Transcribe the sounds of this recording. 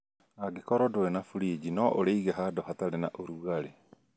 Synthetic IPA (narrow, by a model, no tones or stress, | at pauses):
aɡekɔɾɔdoenafuɾid͡ʑinɔʔoɾeiɣɛɦadɔɦataɾenaʔoɾuɣaɾe